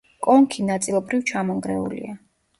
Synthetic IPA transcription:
kʼɔŋkʰinat̪sʼilˠɔbɾivt͡ʃʰamɔŋɡɾɛṵlḭa

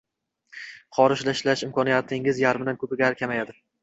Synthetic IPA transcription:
χɒɾɪʃlaɪʃlaʃɪmkʰɒnijat̪ʰɪŋɪzjaɾmɪd̪ankʰɵpɪɡʲaɾkʲʰamajad̪ɪ

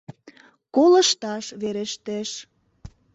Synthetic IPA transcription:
kolə̆ʃt̪ɑʃβeɾeʃt̪eʃ

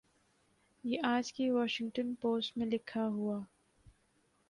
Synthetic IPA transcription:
jeʔaːd͡ʒkeʋɔːʃɪ̃ŋɡʈənpoːsʈmẽlɪkʰːaɦuaː

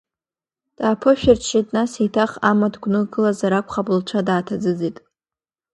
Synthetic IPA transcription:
d̥aːpʰɨʃᶣarʰʃitʼnasetʰaχamadɡʷnɨɡɨlazaɾakʷʰʼχapʼɨlt͡ʃʷʰadaːtʰad͡zɨd͡zitʼ

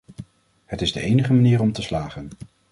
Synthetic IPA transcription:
hətɪzdəejnəχəmaniːrɔmtəslaːχən

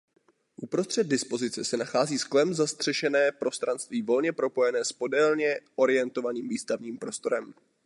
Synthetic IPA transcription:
ʔupɾo̞st̪r̝̥ɛd̪̚dɪspo̞zɪt͡sɛsɛnaxaːziːsklɛmzast̪r̥ɛʃɛnɛːpɾo̞st̪ɾanst̪viːvo̞lɲɛpɾo̞po̞jɛnɛːspo̞dɛlɲɛʔo̞ɾɪjɛnt̪o̞vaniːmviːst̪avɲiːmpɾo̞st̪o̞ɾɛm

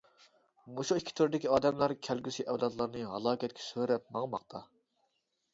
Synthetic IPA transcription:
moʃuikʲʰːi̥t̪ʰyɾɪd̪ɪkʲiɑːd̪ɛmlˠɑɾkʲʰælɡʲysiʔɛwlˠɑd̪lˠɑɾnɨɦɑlˠɑːkʲɛt̪kʲʰɛ̥søɾɛp̚mɑŋmɑqt̪ʰɑ

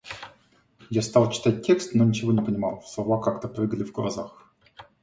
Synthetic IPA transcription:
jast̪ɑlˠt͡ɕɪ̥t̪at̚ʲtʲːe̞kst̪nonʲɪt͡ɕɪvonʲɪpənʲɪma̰lˠfslˠɐvakakt̪əprɨɡəlʲɪvɡəlˠɐ̰zax

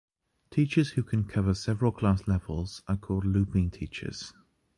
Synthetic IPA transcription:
tʰiˑt͡ʃəz̥hʉkʰə̃nkʰʌvəsɛvəɹəlˠkʰl̥ɑˑslɛvəlˠz̥əkʰɔːlˠdˡlʉˑpɪ̃ŋtʰiˑt͡ʃə̰z̥

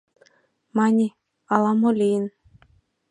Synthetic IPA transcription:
mɑnʲi | ɑlˠɑmolʲijɘn

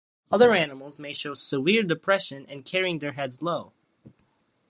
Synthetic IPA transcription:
ʌðə˞ænəml̩ˠzmeɪʃoʊsəwɪɹdɨpʰɹ̥ɛʃɨ̃nɨ̰̃nkʰɛɹiɪ̃ŋðə˞ɦɛdzloʊ

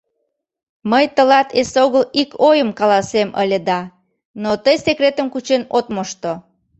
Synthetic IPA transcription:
məjt̪əlɑt̪ʰesoɣəlikʰojəmkɑlɑsemə̰lʲəd̪ɑ | not̪əjsekret̪əmkut͡ɕenot̪moʃt̪o

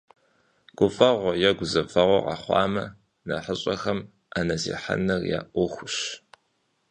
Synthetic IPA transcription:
ɡ̥ʷʊfɐʁʷɔjɛɡʷʊzɐfɐʁʷɔqɑ̰χʷɑ̰ːmɐ | nɐħəɕʼɐxɐm | anɐzḭːħa̰nɐrja̰ːʔʷʊxʷʊɕ

